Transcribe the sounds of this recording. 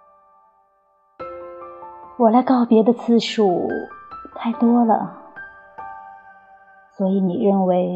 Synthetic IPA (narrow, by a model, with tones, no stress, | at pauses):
wɔ˨˩la˧˥ɪkɑ˥˩ʊpjɛ˧˥d̪ə˧t͡sʰɹ̩˥˩ʂu˨˩ | t̪ʰa˥˧ɪt̪wɔ˥lə̰˨ | swɔ˧˥i˧˥ni˨˩ɻə˥˩nwe˧˥ɪ